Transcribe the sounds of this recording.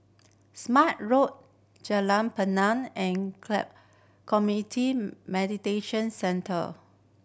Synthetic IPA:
smat̚ɹot̚ | d͡ʒəlãnpənãnɛ̃nkɛ | kʰɔmjuitʰimɛditeʃə̃nsɛ̃ntʰə̰

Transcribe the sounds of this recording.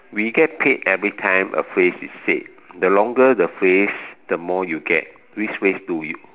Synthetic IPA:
wiɡɛt̚pʰetɛvɹitʰãɪ̃mʔə̰fɹesisːḛf | dəlɔ̃ŋɡədəfɹesd̥əmɔjuɡɛ̰t̚ | wit͡ʃfɹesduju

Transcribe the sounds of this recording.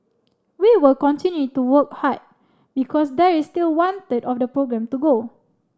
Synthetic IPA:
wiwilkɔ̃ntĩnjutuwək̚hat̚ | bikʰɔs̬dɛɹistilwɔ̃ntətɔfdəpɹoɡɹɛ̃mtuɡo

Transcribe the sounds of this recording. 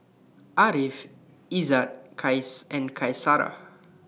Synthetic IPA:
aɾif | izatkʰajsɛ̃nkʰajsaɾa̰

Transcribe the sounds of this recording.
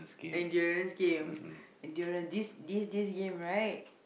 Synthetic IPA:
ɛ̃ndjɔɹə̃nsɡẽmɛ̃ndjɔɹə̃ndisdisdisɡẽmɹajt̚

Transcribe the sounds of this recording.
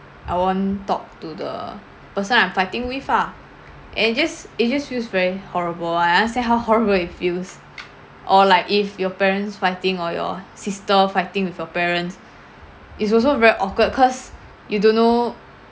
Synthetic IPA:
ʔaɪwɔ̃ntɔ̰k̚tudə̰ | pəsə̃nãj̃mfaɪtĩŋwifa | ʔɛ̰̃n̚d͡ʒasit̚d͡ʒasfilsvɛɹihɔɹəbəlããstɛ̃nɦawhɔɹəbəlit̚fils | ʔɔlaɪkifjɔpɛɹə̃nsfaɪtɪ̃ŋɔjɔ̰sistəfaɪtɪ̃ŋwifjɔpɛɹə̃ns | ʔits̬ɔlsovɛɹiʔɔkət̚kʰɔs | judõnːo

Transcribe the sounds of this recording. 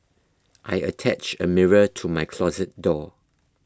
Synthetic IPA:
ʔaɪə̰tʰæt͡ʃəmɪɹətʰumaɪkʰlɔzət̚dɔ

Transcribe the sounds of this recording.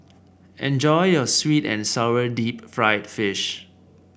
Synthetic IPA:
ʔɛ̃nd͡ʒɔjjɔswitɛ̰̃nsaədipfɹaɪtfɪʃ

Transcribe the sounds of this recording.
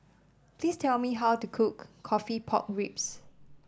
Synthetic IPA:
pʰlistʰɛlmiɦawtukʰukʰːɔfipʰɔ̰k̚ɹips

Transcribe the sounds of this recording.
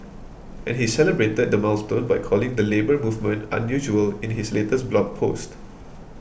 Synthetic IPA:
ʔɛ̰̃nhisɛləbɹetəd̚dəmalstõnbajkʰɔlɪ̃ŋdəlebəmuvmə̃ntã̰njuʒuəlɪ̃nɦisletəsblɔk̚pʰo̰st

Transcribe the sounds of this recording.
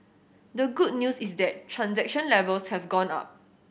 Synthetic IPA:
dəɡud̚njusisdɛt̚tʰːɹãnsɛk̚ʃə̃nlɛvəlshɛvɡɔ̃na̰p̚

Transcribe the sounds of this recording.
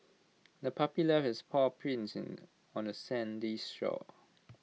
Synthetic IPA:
dəpʰɔpjulɛfɛspʰɔpʰɹĩnsn | ɔ̃nəsɛ̃ndistɹɔ̰

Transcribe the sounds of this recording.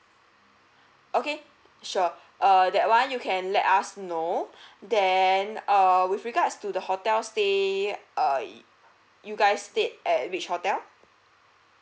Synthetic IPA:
ʔoke | ʃɔ | ʔʌdɛt̚wãnjukʰɛ̃nlɛtasnodɛnʌwifɹiɡatstudəhotɛlste | ʌ | juɡaɪsːtet̚ʔɛt̚wit͡ʃhɔtɛl

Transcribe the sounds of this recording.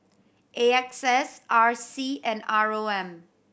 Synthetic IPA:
ʔeɛksɛsaɹsiɛ̃naɹoɛ̃m

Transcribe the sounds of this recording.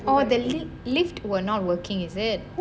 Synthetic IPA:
ɔd̪ə | lɪftwənɔt̚wəkɪ̃ŋɛzɪt̚

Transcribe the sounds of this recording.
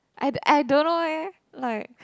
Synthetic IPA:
ʔaɪa̰jdõnːowɛ | laɪk̚

